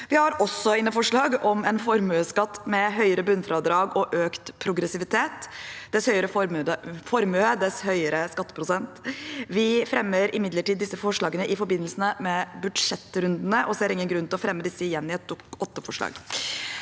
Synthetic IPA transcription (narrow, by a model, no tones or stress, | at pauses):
ʋɪhɑɾɔsːɔɪnːəfɔʂɭɑːɡɔmɛnfɔɾmʉəskɑt̪ːmɛɦœʏəɾəbʉnfɾɑːd̪ɾɑːɡɔʔøːkt̪pʰɾʊɡɾɛsɪʋɪt̪ʰeːt̪d̪̥ɛshœʏəɾəffɔɾmʉəd̪ɛshœʏəɾəskɑt̪ːə̥pʰɾʊsɛnt̪ʋɪfɾɛmːəɾɪmɪd̪ləʈiːd̪ːɪsːəfɔʂɭɑːɡənəʔɪfɔɾbɪnːəlsənəmɛbʉd̪ʂɛt̪ːɾʉnd̪nəʔɔsɛæɾɪŋənɡɾʉnt̪ɪlɔfɾɛmːəd̪ɪsːəɪjɛnːɪɛt̪ʊɔt̪ːəfɔʂɭɑ̰ːɡ